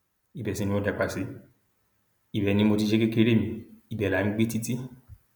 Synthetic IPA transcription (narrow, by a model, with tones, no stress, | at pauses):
i˨bɛ˨sĩ˨˧nĩ˧o˧dɛ˨k͡pa˨si˨˦ | i˨bɛ˨nĩ˧˦mo˧t̬i˧ʃe˦ke˦ke˦ɾe˦˨mĩ˧i˨bɛ˨la˨˦nĩ˦ɡ͡be˦ti˦ti˦